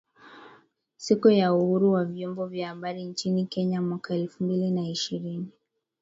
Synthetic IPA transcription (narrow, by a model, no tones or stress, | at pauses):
sikujauhuɾuwavjɔmbɔvjahaɓaɾint͡ʃinikɛɲamwakaɛlfumbilinaiʃiɾini